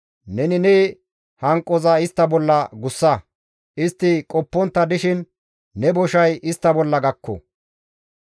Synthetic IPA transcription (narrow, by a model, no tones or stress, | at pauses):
nɛnɪnɛ | hɐŋkʼːɔzɐɪst̪ːɐbɔlːɐɡʊsːɐ | ʔɪst̪ːɪkʼɔpːɔnt̪ːɐd̪ɪʃɪnː | ɛbɔʃɐjɪst̪ːɐbɔlːɐɡɐkːɔ̰